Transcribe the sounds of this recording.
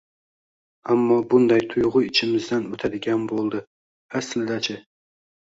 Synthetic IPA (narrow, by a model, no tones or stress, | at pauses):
amːɒbʊnd̪ajt̪ʰʊjʁʊɪt͡ʃʰɪmɪzd̪anot̪ʰad̪ɪɡʲanbolˠd̪ɪ | aslɪd̪at͡ʃʰɪ